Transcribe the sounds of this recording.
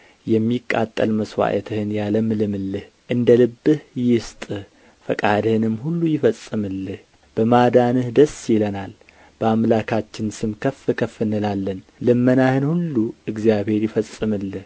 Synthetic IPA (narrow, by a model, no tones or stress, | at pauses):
jɛmːikʼːa̰t̪ʼːə̰lməswa̰ʔət̪ʰɨhɨnjaləmɨlɨmɨlːɨh | ʔɨnd̪əlɨbːɨhjɪst̪ʼɨ | fəkʼad̪ɨhɨnɨmːhulːujɪfəsʼːɨmɨlːɨh | b̥əmad̪anɨhd̪əsjɪlənal | b̥əamlakʰat͡ʃːɪnsɨmkʰəfɨkʰəfːɨnɨlalːən | lɨmːənahɨnhulːuɨɡzjaβhe̞ɾjɪfəsʼːɨmɨlːɨh